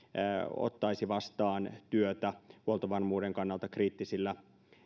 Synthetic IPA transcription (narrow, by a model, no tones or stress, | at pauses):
o̰t̪ːɑisiʋɑst̪ɑːnt̪yøt̪æhuolt̪oʋɑrmuːdeŋkɑnːɑlt̪ɑkriːt̪ːisilːæ